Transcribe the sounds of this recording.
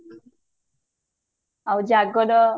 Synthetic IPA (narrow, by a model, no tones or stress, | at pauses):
awd͡ʒaɡɔd̪ɔ